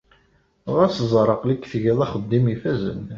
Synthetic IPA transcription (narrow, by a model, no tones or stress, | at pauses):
ʁæszˤɾˤəqlikːθʝiðˤɑχəd̪ːimifæzə̰n